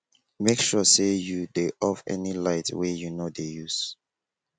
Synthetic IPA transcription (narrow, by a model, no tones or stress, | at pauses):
mekʃɔsejudeʔɔvɛ̰nilaɪtwejunodejus